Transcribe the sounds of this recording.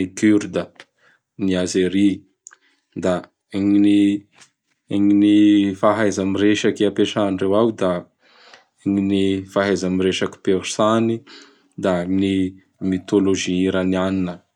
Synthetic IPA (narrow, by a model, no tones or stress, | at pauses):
ikyɾd̪ə | niazeɾi | d̪a | ŋini | ŋinifaɦajzamiɾeʃakiapeʈ͡ʂaɳrewawd̪a | ŋinifaɦajzamiɾeʃaki̥peɾu̥sani | d̪ani | mit̪oloʒiiɾanianinə